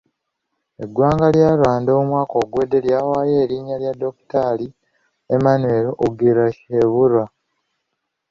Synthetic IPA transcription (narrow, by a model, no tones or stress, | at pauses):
eɡwaːŋɡaljaːlwaːndoumwaːko̞ːɡwe̞ːdːe̞ljaːwaːje̞ːɾiːɲaljado̞ku̥taːli | emanwe̞ɾoʔoɡiɾaeβuɾwa